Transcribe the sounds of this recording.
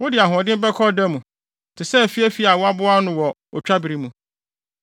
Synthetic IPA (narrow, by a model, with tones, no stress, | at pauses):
wʊ˦dɪ˨a˨ɦɔ̃˨dɪ̃˦m̩˦bɛ˦kʰɔ˦da˦mũ˨ | tʰɪ˨sɛ˦˨fi˦æ˦fi˦a˨wɔ˦a˦bʊ˦a˦nʊ̃˨wɔ˨ | ɔ˨t͡ɕᶣa˦bɪ˨ɾi˦mũ˨